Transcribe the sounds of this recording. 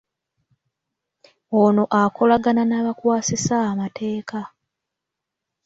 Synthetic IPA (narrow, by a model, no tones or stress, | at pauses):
ono̞ʔakʰo̞laɡananaːβakwaːsisaːmatʰe̞ːka